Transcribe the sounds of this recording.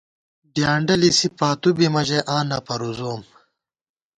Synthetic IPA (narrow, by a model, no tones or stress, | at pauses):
ɖjaːɳɖɐlisipaːt̪ubimɐʑeʔãːnɐpɐɾuzoːm